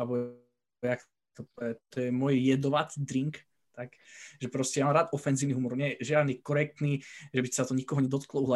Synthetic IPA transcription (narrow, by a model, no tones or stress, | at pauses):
abɔ | jak | t̪ɔpɛt̪ɔjɛmɔjjɛd̪ɔʋat͡sd̪ɾiŋk | t̪akʒɛpɾɔscɛjamamɾaːt̪ʔɔfɛnziːʋniɦumɔɾuʊɲɛɛʒɪad̪nikɔɾɛk̚t̪niʒɛbisat̪ɔɲikɔɦɔɲɛd̪ɔt̪klɔuɦla